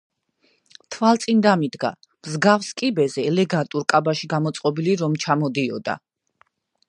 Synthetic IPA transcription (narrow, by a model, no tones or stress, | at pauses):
t̪ʰvalˠt̪sʼind̪amid̪ɡa̰ | mzɡafskʼibɛzɛːlɛɡat̪ʼuɾkʼabaʃiɡamɔt̪sʼqʼɔbiliɾɔmt͡ʃʰamɔd̪iɔ̰d̪a̰